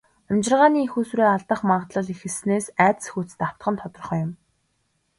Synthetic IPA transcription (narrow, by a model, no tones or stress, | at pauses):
amt͡ɕɪ̆rʁaːniːixuːsɾeːaɮt̪ə̆χmaɴʁt̪ɮə̆ɮixɘ̆ɮsneːsæːt͡s̪sxut͡st̪aw̥t̪ɢə̆nt̪ʰɔt̪ɞ̆rχɞːjʊm